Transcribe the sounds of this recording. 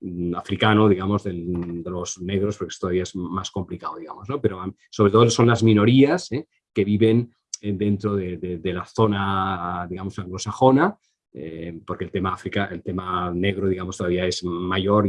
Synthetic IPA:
afɾikanoðiɣamo̞zðeld̪elozneɣɾo̞spoɾkest̪oaβiaezmasko̞mplikawðiɣamoznopeɾoa | soβ̞ɾet̪ooso̞nlazmĩno̞ɾiase | ke̞βiβe̞n | ed̪e̞nt̪ɾoðeðed̪elaθonaðiɣamosaŋɡlo̞saxo̞na | epoɾkelt̪emaafɾikaʔelt̪emaneɣ̞ɾoðiɣamo̞st̪oðaβiaezmaʝoɾ

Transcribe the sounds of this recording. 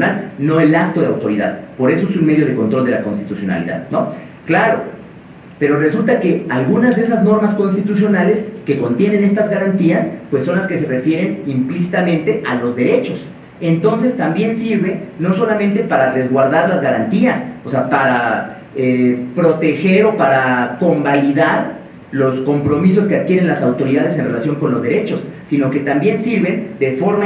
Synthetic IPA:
nalno̞e̞lak̚t̪o̞ðea̰wt̪o̞ɾiða̰ðpo̞ɾe̞so̞esunmeðjo̞ð̞e̞ko̞nt̪ɾo̞ld̪e̞lako̞nst̪it̪usjo̞na̰lḭða̰ðno̞ | klaɾo | pe̞ɾo̞re̞sult̪ake̞alɣunazðe̞e̞sazno̞ɾmasko̞nst̪it̪us̬jo̞nale̞ske̞ko̞nt̪je̞nene̞st̪azɣaɾant̪iaspwe̞sːo̞nlaske̞se̞re̞fje̞ɾe̞nimplis̬it̪amẽ̞nt̪e̞ʔalo̞zðe̞ɾe̞t͡ʃo̞s | ent̪o̞ns̬e̞st̪ambje̞nsiɾβe̞no̞so̞lamẽnt̪e̞paɾare̞zɣwaɾðaɾlazɣaɾant̪iaso̞seapaɾa | epɾo̞t̪e̞xe̞ɾo̞paɾako̞mbaliðaɾ | lo̞sko̞mpɾo̞miso̞skeaðkje̞ɾe̞nlasawt̪o̞ɾiðað̞es̬e̞nre̞lasjo̞ŋko̞nlo̞zðe̞ɾe̞t͡ʃo̞sːino̞ke̞t̪ambje̞nsiɾβe̞nd̪e̞fo̞ɾma

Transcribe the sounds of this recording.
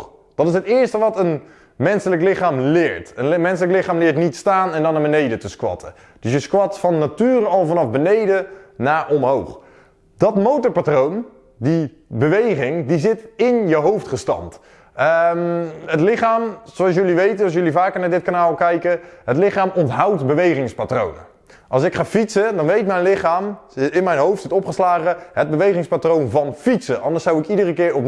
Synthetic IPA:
d̥ɑtɪsətɪːəɹstəʋɑtən | mɛnsələklɪχaːmlɪːɹtənmɛnsələklɪχaːmlɪːɹtnitstaːnɛndɔnaːbənejdətəskwɑ̰tʰə̰ | d̥ɵsjəskwɑtfɑnːatyːrəɑlˠvɑnɑvbənejdənaːɹʔɔmɦo̰wχ | dɑtmowtəɹpatrown | di | bəʋejχɪŋdizɪtɪnjəɦowftχəstɑ̰nt | ɦətlɪχaːmzoɑls̬jɵliʋejtənɑs̬jɵlivaːkəɹnaːdɪt̚kanaːlˠkɛjkəɦətlɪχaːmɔntɦawtbəʋejχɪŋspatro̰wnə̰ | ʔɑlˠsɪkχaːfitsədɑnʋejtmɛjnlɪχaːmɪnmɛjnɦowftsɪtɔpχəslaːχəɦəd̚bəʋejχɪŋspatrownvɑnfitsəʔɑndəɹsawɪkidərəkɪːɹɔp

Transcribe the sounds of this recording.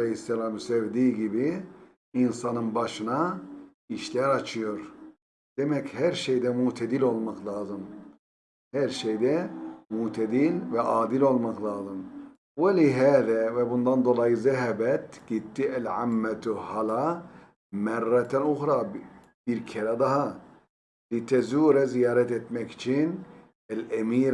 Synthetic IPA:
lehisːɛlaːmsevd̪iːɟibiː | nsanɯnbaʃɯna | iʃlʲæɾat͡ʃʰɯjo̞ɾ | d̪̥emɛchæɾʃejd̪ɛmut̪ʰɛd̪ilʲo̞lˠmaklʲˠaːzɯm | hæɾʃejd̪ɛmut̪ʰɛd̪ilʲvɛʔaːd̪ilʲo̞lˠmaklʲˠaːzɯm | waliɦæːðævɛbund̪and̪o̞lˠajɯzɛɦɛbɛt̪ɟ̥it̪ʰːiʔælʕamːæt̪hala | mærːɛt̪ʰænuxɾa | b̥iɾcʰɛɾɛd̪ɑɦa | lit̪ʰɛzuːɾɛzijaːɾɛt̪ɛt̪mɛci̥t͡ʃʰin | ælɛmiːɾ

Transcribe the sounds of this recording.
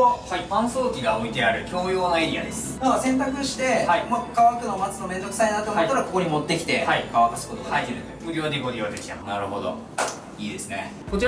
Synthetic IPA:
ahaipãɰ̃soːkʲiɡaomʲit̪e̞aɾɯ̟kʲo̞ːjo̞ːnaiɾʲia̰d̪e̞sɨ̥masẽ̞nt̪akɯ̟ɕi̥t̪e̞haimakaβakɯ̟no̞mat͡sɨno̞mẽ̞nd̪o̞kɯ̥sainat̪ːomaɾako̞ko̞ɲ̟ʲimo̞t̪ːe̞kʲi̥t̪e̞haikaβakasɨ̥ko̞t̪oait̪ | oɾʲiβad̪eɡoɾʲiad̪e̞kʲi̥t̪anaɾɯ̟ɦo̞d̪o̞̰ | iːd̪e̞sɨne̞ | ko̞t͡ɕi

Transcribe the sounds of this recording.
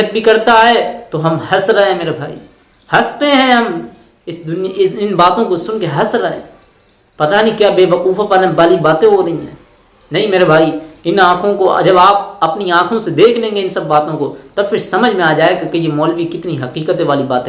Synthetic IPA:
ət̪̚bʱikɐɾt̪aɦɛːt̪oɦɐmhɐsɾːɐɦẽmeːɾabʱaːḭ | hɐst̪eɦɛ̃ɦɐm | ɪsd̪ʊnjɪɪnbaːt̪õkosʊnkeɦɐsɾːɐɦḛ̃ː | pɐt̪anĩkjaːbeːʋɐquːfapɐɾʋaːlibaːt̪ẽɦoɾɐɦĩɦɛ̃ː | nɐɦĩmeːɾebʱaːiɪnãːkʰõko̰d͡ʒɐbaːp̚ɐpniãːkʰõsed̪eːkʰlẽːŋɡeɪ̃nsɐbːaːt̪õkot̪ɐbfɪɾsɐməd͡ʒʱmẽaːd͡ʒaːekakejemɔːlʋikɪt̪niɦɐqiːkət̪eʋaːlibaːt̪ː

